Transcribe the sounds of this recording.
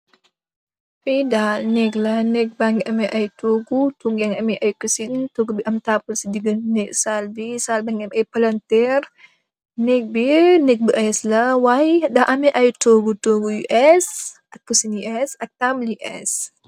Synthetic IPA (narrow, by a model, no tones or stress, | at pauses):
fidalnɛklɐnɛk̚baŋɡɛʔɐmɛʔajtoɡutuŋɡɛŋɐmiʔajkəsintoɡubiʔɐmtapəlsidiɡənnɛksalbisalbaŋɡɛɐmɐjpalɐntɛɾ | nɛk̚binɛk̚biʔajɛslɐwajdaʔɐmɛʔɐjtoɡutoɡujuʔɛsʔɐkːusiniʔɛsɐk̚tamliʔɛ̰s